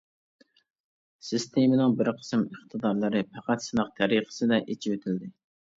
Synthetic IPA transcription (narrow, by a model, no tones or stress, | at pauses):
sɨst̪ʰemɪnɪŋbɪɾqʰə̥sɨməχt̪ʰɨd̪ɑɾlˠɨɾɨpʰæqæt̪sɨnɨq̚t̪ʰæɾiqə̥sɨd̪ɛʔet͡ʃʰiwøt̪ʰɪld̪ɪ